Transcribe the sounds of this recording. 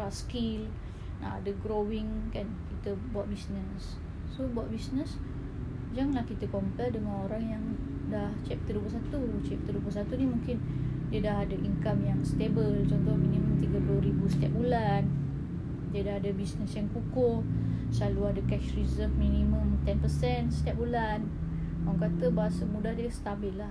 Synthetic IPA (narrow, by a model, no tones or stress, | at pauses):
askil | na̰ʔa̰daɡɾowiŋkankit̪əbuaʔ̪̚bisnəsː | obuaʔ̪̚bisnəs | d͡ʒaŋlahkit̪əkɔmpɛdəŋanoɾaŋjaŋdaht͡ʃɛp̚t̪əduəpəsat̪ut͡ʃɛp̚t̪əduəposat̪unimũŋkɪndiədaɦadaʔiŋkamjaŋst̪ebəlt͡ʃɔnt̪ohminimə̃mt̪iɡəplʊhribusə̥t̪iap̚bulan | diədaɦadabisnəsjaŋkukʊhslaluadakɛʃrizəmːinimə̃mt̪ɛnpəsɛnsə̥t̪ijap̚bulan | oaŋkat̪əbaɦasəmũdahdiəst̪abilːah